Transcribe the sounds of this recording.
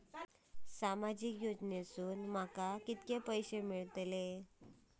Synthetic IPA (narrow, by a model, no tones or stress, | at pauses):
samad͡ʑikjod͡ʑnesuːnm̤akakit̪kepəjɕemiɭt̪le